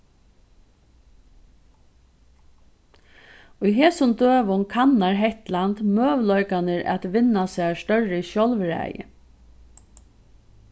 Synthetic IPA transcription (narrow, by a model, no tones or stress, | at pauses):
ʊjɦɛːsʊnd̪øːʋʊŋkʰanːaɹɦɛht̪lant̪møːʋlɔʏkanəɹɛ̰t̪ʋɪnːasæːʂt̪œɹɪʃjɔlʋɾæ̰ːjɪ̰